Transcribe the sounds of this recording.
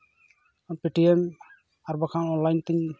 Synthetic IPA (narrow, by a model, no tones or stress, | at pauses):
piʈiɛm | aɾbakʰanɔnlajnt̪iɲ